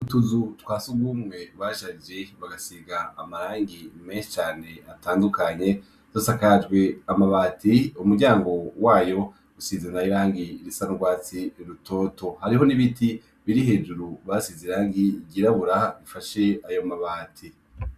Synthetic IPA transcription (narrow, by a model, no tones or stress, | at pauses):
utuzutwaːsuɡumŋe̞βaːʃaid͡ʒeβaɡasiːɡaːmaɾaːŋɡimeːnʃi̥t͡ʃaːne̞ataːndukaɲe̞ | zosakad͡ʒɡwe̞amaβaːtiumuɾɟaːŋɡo̞waːjo̞ | usizenaiɾaːŋɡiɾisanuɾɡwaːt͡siɾutʰo̞ːto̞haɾiɦo̞niβiti | βiɾihe̞ːd͡ʒuɾuβasiziɾaːŋɡiɟiɾaβuɾaɡifaʃe̞ajo̞maβaːtʰi